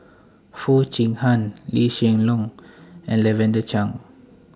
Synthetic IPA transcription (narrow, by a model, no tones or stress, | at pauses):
fut͡ʃiŋhanliʃɛŋlɔŋɛ̃nlɛvɛ̃ndət͡ʃaŋ